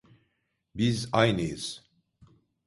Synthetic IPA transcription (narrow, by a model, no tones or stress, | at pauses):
bizajnɯjɯz̥